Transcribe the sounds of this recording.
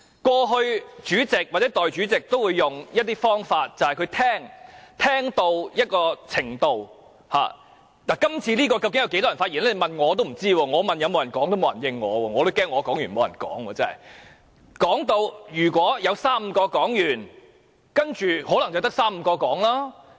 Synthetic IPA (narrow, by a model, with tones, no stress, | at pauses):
kwɔː˧ɦɵ˧ɥt͡ʃyː˨˥t͡sɪ˨k̚waː˨t̚ɛ˨˥t̪ɔː˨jt͡ʃyː˨˥t͡sɪ˨k̚t̪o˥wuː˨˧jːʊ˨ŋjɐ˥t̚t̪iː˥fɔː˥ŋfaː˧t̚t͡sɐ˨whɐ˨jkʰɵ˨˧ɥt̪ʰɛː˥ŋt̪ʰɛː˥ŋt̪o˧wjɐ˥t̚kɔː˧t͡sʰɪ˨˩ŋt̪o˨w | ha̰ː˨˩ | laː˨˩kɐ˥mt͡sʰiː˧liː˥kɔː˧kɐ˧wkɪ˦˥jɐ˨˧wke˨˥jt̪ɔ˥jfaː˧jiː˨˩nɛː˥˧mɐ˨nŋɔː˨˧t̪o˥wm̩˨˩t͡siː˥wɔː˧ŋɔː˨˧mɐ˨njɐ˧mo˨˧wjɐ˨˩nkɔː˨˥ŋt̪o˥m˨˧wjɐ˨˩njɪ˧ŋːɔː˨˧wɔː˧ŋɔː˨˧t̪o˥wkɛː˥ŋːɔː˨˧kɔː˨˥ŋjɥyː˨˩nmo˨˧wjɐ˨˩nkɔ̰ː˨˥ŋwɔː˧t͡sɛ˥ɐ˨˩j | kɔː˨˥ŋt̪o˧wjyː˨˩kʷwɔː˨˥jɐ˨˧wsaː˥m̩ː˧kɔː˧kɔː˨˥ŋjyː˨˩n | kɐ˥nt͡ʃyː˨hɔː˨˥lɐ˨˩ŋt͡sɐ˨˩wt̪ɐ˥k̚saː˥m̩˧kɔː˧kɔː˨˥ŋlaː˥